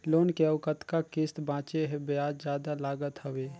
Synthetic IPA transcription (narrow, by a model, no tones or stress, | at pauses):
loːnkeəʋkət̪kakɪst̪bãːt͡ʃeɦẽbejaːd͡ʒd͡ʒjaːd̪alaːɡət̪həweː